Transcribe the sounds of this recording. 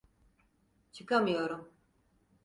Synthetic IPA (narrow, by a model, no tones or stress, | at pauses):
t͡ʃʰɯkamɯjo̞ɾum